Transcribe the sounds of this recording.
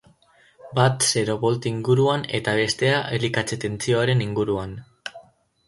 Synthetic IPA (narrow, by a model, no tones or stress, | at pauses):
bat̪se̞ɾo̞βo̞lt̪iŋɡuɾuane̞̰t̪aβ̞e̞st̪e̞aʔelikat͡set̪e̞nt͡sio̞aɾe̞niŋɡuɾuan